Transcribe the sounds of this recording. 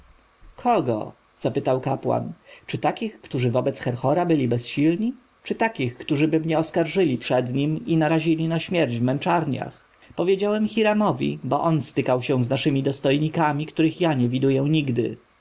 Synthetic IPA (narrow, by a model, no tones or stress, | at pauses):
kʰɔɡɔ̰ | z̥apɘt̪awkapwa̰nt͡ʂɘt̪akʲixkt̪uʐɘvɔbɛt̪sxɛɾxɔɾabɘlʲibɛsɕilɲi | t͡ʂɘt̪akʲixkt̪uʐɘbɘmɲɛɔskaɾʐɘlʲipʂɛd̪ɲiminaɾaʑilʲinaɕmʲjɛɾd͡ʑvmɛnt͡ʂaɾɲa̰x | pɔvʲjed͡ʑawɛmxʲiɾamɔvʲḭbɔʔɔnst̪ɘkawɕɛ̃w̃znaʂɘmʲid̪ɔst̪ɔjɲikamʲikt̪uɾɘxjaɲɛvʲid̪ujɛ̃ɲiɡd̪ɘ̰